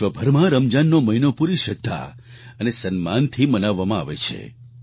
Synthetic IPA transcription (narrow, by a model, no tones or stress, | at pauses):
ʋəbʱəɾmãɾəmd͡ʒanːoməɦinopuɾiʃəd̪ʱːa̰ | ənesənmant̪ʰimənaʋːamãa̰ʋḛt͡ʃʰḛ